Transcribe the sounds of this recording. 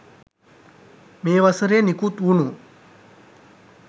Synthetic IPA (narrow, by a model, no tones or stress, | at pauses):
meːʋasəɾeːnikut̪ʋunu